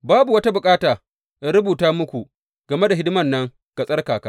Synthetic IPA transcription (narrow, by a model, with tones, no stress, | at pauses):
baː˦bu˨wɐ˦ta˦bʊ˨kʼaː˦taː˨ | ʔa˦ɾʊ˦buː˨taː˦mʊ˦kʷu˨ | ɡ̥ɐ˨me˦da˨ɦɪ˦dɪ˦mɐ˨nːɐ˦ŋ | kɐ˨sʼɐ˦rkaː˨ka˦